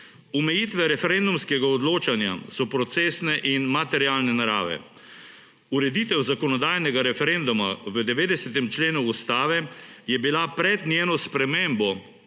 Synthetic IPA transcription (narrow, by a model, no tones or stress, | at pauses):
umɛjiːt̪ʋɛɾɛfɛɾɛnd̪umskɛɡaɔd̪loːt͡ʃanja̰sɔpɾɔt̪seːsnɛʔinmat̪ɛɾiaːlnɛnaɾa̰ːʋɛ̰ | uɾɛd̪iːt̪ɛwzakɔnɔd̪aːjnɛɡaɾɛfɛɾend̪uma̰ʋəd̪ɛʋeːd̪ɛsɛt̪ɛmt͡ʃleːnuːst̪aːʋɛjɛbilapɾɛd̪njeːnɔspɾɛmembɔ